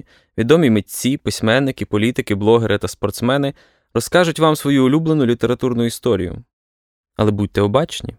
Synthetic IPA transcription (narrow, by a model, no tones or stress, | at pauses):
ʋʲid̪ɔmʲimetʲt͡sʲipɪsʲmɛnːɪkɪpɔlʲit̪ɪkɪblˠɔɦeɾʔɪt̪ɐspɔrt̪smɛnɪ | ɾɔskɑʒʊtʲʋɑmsʋɔjuʊlʲublenʊlʲit̪e̞ɾɐt̪urnʊist̪ɔɾʲḭjʊ̰ | ɐlˠɛbutʲt̪ɛɔbɑt͡ʃnʲḭ